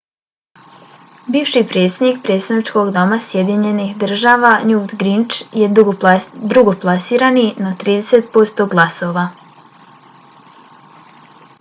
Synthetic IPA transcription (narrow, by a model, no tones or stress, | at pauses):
biːʋʃipɾe̞ːt̪sʲed̪nikpɾet̪st̪anit͡ʃko̞ɡd̪o̞masje̞d̪iɲe̞nixd̪r̩ʒaːʋanut̪ɡɾint͡ʃje | d̪ɾuɡo̞plˠasiːɾaninat̪ɾiːd̪e̞se̞t̪̚po̞st̪o̞ɡlˠaso̞ʋa